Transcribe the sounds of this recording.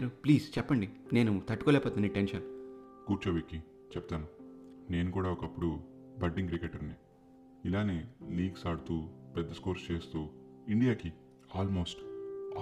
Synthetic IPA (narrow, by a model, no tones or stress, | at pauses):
ɾupliːst͡ʃɛpːɐɳɖine̞ːnut̪ɐʈːukoːlɛːpoːt̪inɐiʈenʃɐn | kuːɾt͡ʃɐʋikːi | t͡ʃɛp̚t̪aːnune̞ːnukuːɽaːɔkɐpːuɽu | bɐɖːiŋkɾikeʈɐɾni | ilaːniliːɡsaːɽut̪uːpɛd̪ːɐskoːɾst͡ʃe̞ːst̪uːiɳɖijaːki | aːlmo̞ːsʈː